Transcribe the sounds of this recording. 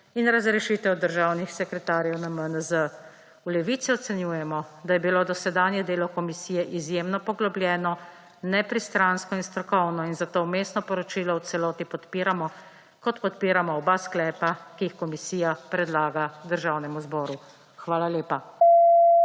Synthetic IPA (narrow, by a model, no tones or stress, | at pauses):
inɾazɾɛʃit̪ɛwd̪əɾʒaːwnixsɛkɾɛt̪aːɾjɛwnamənəzə | wlɛʋiːt̪siɔt̪sɛnjuːjɛmɔd̪ajɛbiloːd̪ɔsɛd̪aːnjɛd̪eːlɔkɔmisiːjɛʔizjemnɔpɔɡlɔbljɛːnɔ | nɛpɾist̪ɾanskɔinst̪ɾɔkɔwnɔinzat̪oːmeːst̪nɔpɔɾɔt͡ʃiːlɔwt̪sɛlɔːt̪ipɔt̪piːɾamɔ | kɔt̪pɔt̪̚piːɾamɔːbaːsklɛːpakijixkɔmisiːjapɾɛd̪laːɡad̪əɾʒawnɛmuzbɔːɾu | xʋaːlaleːpa